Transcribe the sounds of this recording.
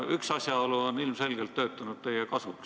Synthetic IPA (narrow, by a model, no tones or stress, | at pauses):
yksɑsʲjɑoluonilmse̞lʲɡ̥elt̪t̪ːø̞ːt̪ːˑænut̪̚t̪e̞jekɑsuk